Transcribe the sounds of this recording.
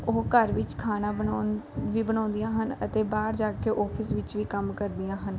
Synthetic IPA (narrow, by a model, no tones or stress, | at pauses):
oːkəɾʋɪt͡ʃkʰaːnãːbənːʋiːbənãːnd̪ijãːɦənə̰t̪eːbaːɾd͡ʒaːkeʔɔːpʰɪsʋɪt͡ʃʋiːkəmkəɾd̪ijãːɦən